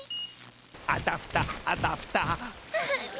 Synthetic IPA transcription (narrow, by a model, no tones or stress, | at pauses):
at̪aft̪aat̪aft̪a